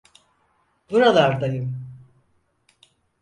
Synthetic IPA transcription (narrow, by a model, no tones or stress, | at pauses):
b̥uɾalˠaɾd̪ajɯm